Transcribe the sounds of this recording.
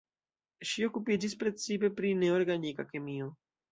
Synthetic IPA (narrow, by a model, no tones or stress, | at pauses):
ʃio̞kupid͡ʒispɾet͡sipe̞pɾine̞oɾɡanikakemio